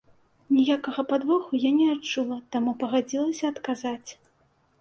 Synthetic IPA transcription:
nʲijakɐɣɐpad̪vɔxujanʲɛat͡ʂulˠɐt̪amupɐɣad͡zʲilˠɐsʲɐːt̪kazat͡sʲ

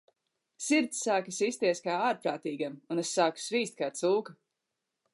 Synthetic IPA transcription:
siɾt̪sːaːkasist̪iɛskaːaːɾpɾaːt̪iːɡamunɛsaːku̥sviːst̪̚kaːt̪suːka

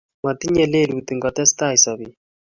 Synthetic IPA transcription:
mat̪iɲɛlelut̪iŋɡɔt̪ɛst̪aisɔβi

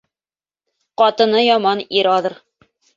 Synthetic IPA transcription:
qɑt̪ɤ̆nɤjɑmɑniɾɑðɤɾ

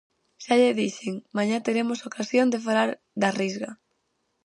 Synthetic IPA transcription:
ʃaʎeðiʃɪŋmaɲat̪eɾemosokʰasjond̪efalaɾ | d̪arizɣa

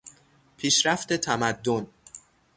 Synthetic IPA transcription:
pʰiːʃɾæft̪e̞t̪ʰæmæd̪ːon

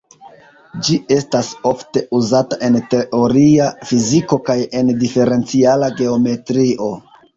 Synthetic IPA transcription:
d͡ʒie̞staso̞fte̞ʔuzataʔe̞nte̞ʔo̞ɾiafiziko̞kaje̞ndife̞ɾe̞nt͡sialaɡe̞o̞me̞tɾiʔo̞

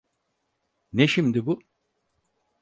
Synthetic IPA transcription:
neʃimd̪ibu

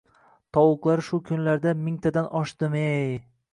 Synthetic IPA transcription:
t̪ʰɒwʊqlˠaɾʃʊkʰʲʊnlaɾd̪amɪŋt̪ʰad̪anʔɒʃd̪ɪmej

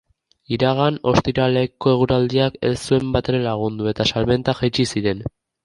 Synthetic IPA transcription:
iɾaɣ̞ano̞̰st̪iɾale̞ko̞e̞ɣuɾald̪iake̞̰sue̞mbat̪e̞ɾe̞laɣ̞und̪ue̞t̪asalme̞nt̪axat͡ʃisiɾe̞n

